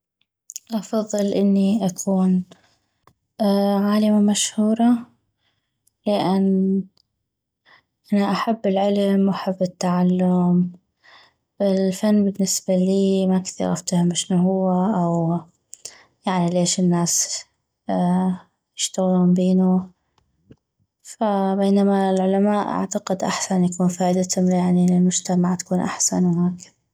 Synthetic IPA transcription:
ʔɑfɑðˤːɨlʔɪnːiʔakʰuːn | ʕaːlamamaʃhuːɾˤɑ | lɪʔanː | ʔanaʔaħabːɪlʕɪlmwʔaħabːɪt̪ːaʕalːʊm | ʔɪlfanːbɪnːɪsbaliːmakθḭɾˤɑ̰ft̪hʊmɪʃnuɦʊwːaʔaw | jaʕnileːʃɪnːaːs | jɪʃt̪aɣluːmbeːnu | fabeːnamalʕʊlamaːʔʔa̰ʕt̪aqɪd̪ʔa̰ħsanjakuːnfaːʔɪd̪at̪hʊmjaʕnilɪlmʊd͡ʒt̪amaʕt̪ḁkuːnʔa̰ħsa̰nwhaːk

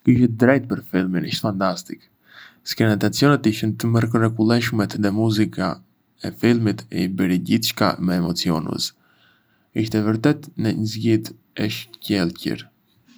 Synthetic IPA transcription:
kiʃɛd̪ɾɛjt̪̚pəɾfilˠminḭʃt̪fant̪ast̪ik | skɾinat̪at͡siɔnɛt̪iʃənt̪əməɾkrɛkulˠɛʃmɛt̪ðɛmuzika | ɛfilˠmit̪ɛ̰bəɾiɟiθʃka̰mɛːmɔt͡siɔ̰nə̰s | iʃt̪ɛvəɾt̪ɛt̪nəɲəzɟit̪ | ɛʃcɛlˠcə̰ɾ

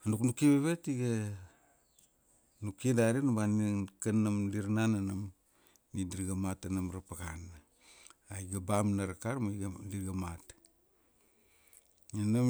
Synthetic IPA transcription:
anuknukiβeβetiɡa | nukidaɾenubanikanamliɾnananam | nidiɾɡamatanamɾapaɣan | aiɡabamnaɾakaɾmaɡaliɾɡamat | ɲenam

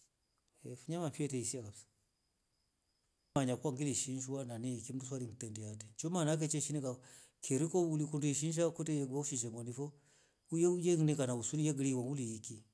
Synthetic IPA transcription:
ɛfuɲamamfiɛtɛisiakabsḁ | aɲakuwaŋɡiliʃinʃwananikim̩dus̬waliŋtɛndiadɛt͡ʃɔmanak̬ɛt͡ʃɛʃinɛka | kʰɛɾikɔulikunduiʃinʃ̬akutɛjɛɡwauʃiʃɛmɔnifɔ | ujɛujɛŋinɛkanausunijɛɡiliwaŋɡuliːki

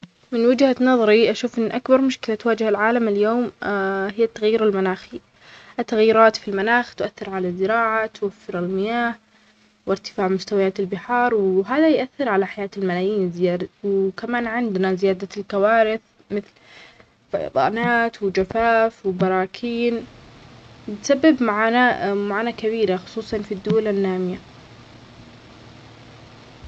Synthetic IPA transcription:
mɪnwɪd͡ʒhanɑðˤɑɾiʔaʃuːfʔɪnːʔakbɑɾˤmʊʃkɪlat̪waːd͡ʒhalʕaːlamɪljoːmhɪjːat̪ːaɣjiːɾalmanaːxi | ʔat̪ːaɣjiːɾˤɑːt̪filmanaːxt̪ʊʔaθːɪɾʕalazːɪɾɑːʕat̪wafːɪɾalmɪjaːh | wɪɾt̪ɪ̥faːʕmʊst̪awajaːt̪ɪlbɪħɑːɾˤwɦaːðajʔaθːɪɾʕalaħajaːt̪ɪlmalaːjiːnzɪjaːd̪awkamaːnʕɪnd̪nazɪjaːd̪alkawaːɾɪθ | mɪθl | fɑ̰jɑ̰d̪ˤɑ̰ːnaːt̪wɪd͡ʒafaːfwɪbɑɾˤɑːkʰiːn | bɪt̪sabːɪbmaʕaːnamaʕaːnakabiːɾaxʊ̥sˤuːsˤɑnfid̪ːʊwalanːaːmɪja

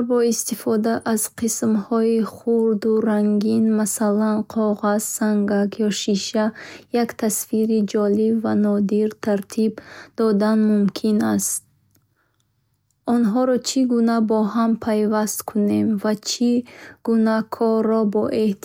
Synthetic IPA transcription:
bɔist̪ifɔd̪aʔːz̥qʰismhɔiχuɾd̪uɾaŋɡinmasalanqʰɔʁazsaŋɡakjɔʃiʃajakt̪ʰasfiɾid͡ʒɔlibvanɔd̪iɾt̪ʰaɾt̪ʰibd̪̥ɔd̪anmumkʰinast̪̚ | ɔnɦɔɾɔt͡ʃʰiɡunabɔɦampʰajvast̪kʰune̞mvat͡ʃʰiɡ̥unakʰɔrːɔbɔʔe̞ht̪

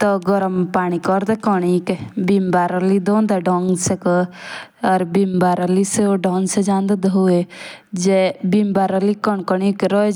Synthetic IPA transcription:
t̪ɔɡɔɾəmpaːɽ̃ikɔɾd̪ɛkɔɳikbimbaɾəlid̪ɔːnd̪aɖɔŋsek | ɐɾbimbaɾəliseoɖɔːŋsed͡ʒãːnd̪ad̪ɦue | d͡ʒebimbaɾəlikɔɳkɔɳikɾɔ

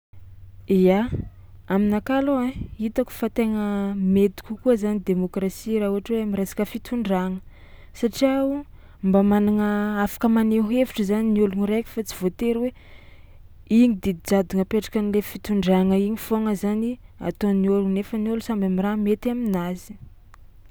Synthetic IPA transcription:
ia | aminakaloait̪aku̥fat̪eŋəmet̪i̥kʲukuəzanid̪emokrasiɾaɦuɦaʈ͡ʂweamiɾesḁkəfit̪uɳɖ͡ʐaŋə | saʈ͡ʂiau | mbamanaŋəafḁkəmaneɦeviʈ͡ʂəzaniniuluniɾekʲi̥fat͡si̥vot̪eɾwe | iɲid̪id̪id͡zad̪uŋəpeʈ͡ʂḁkanilefit̪uɳɖ͡ʐaŋəiɲifoŋəzania̰t̪oniulunefəniulusambamiramet̪aminazi̥

